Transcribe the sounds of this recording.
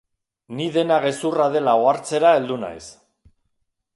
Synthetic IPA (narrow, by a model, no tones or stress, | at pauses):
niðe̞naɣe̞suraðe̞laoaɾt͡se̞ɾae̞ld̪una̰js